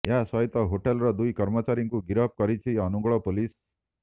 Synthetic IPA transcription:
jasʌɦit̪ɔɦoʈelɾʌd̪ujkʌɾmʌt͡ʃaɾiŋkuɡiɾʌp̚kʌɾit͡sʰiʌnuɡɭɔpolis

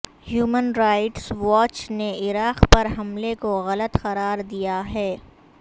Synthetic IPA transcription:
hjuːmənɾaːɪʈsʋɔːt͡ʃneɪɾaːqpɐɾɦɐmlekoɣɐlət̪xɐɾaːɾd̪ijaɦɛː

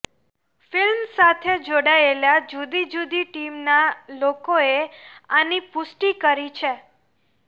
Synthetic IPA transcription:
filmsat̪ʰed͡ʒoɽaelad͡ʒud̪id͡ʒud̪iʈimnalokoeanipʊsʈikəɾit͡ʃʰe

